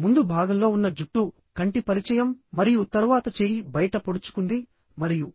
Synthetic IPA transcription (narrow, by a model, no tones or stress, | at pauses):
mund̪ubʱaːɡɐmlo̞ːunːɐd͡ʒuʈːu | kɐɳʈipɐɾit͡ʃɐjɐmːɐɾijut̪ɐɾʋaːt̪ɐt͡ʃe̞ːjibɐjɐʈɐpoɽut͡ʃu̥kund̪i | mɐɾiju